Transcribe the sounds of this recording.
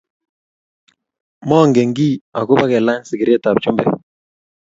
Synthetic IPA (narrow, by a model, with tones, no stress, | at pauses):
mɔ˦˨ŋɡe˨ŋɡi˦a˨ku˦ba˦kɛ˨la˦nsɪ˨ki˨ɾe˦ta˨p̚t͡ʃu˦mbɛ̰˦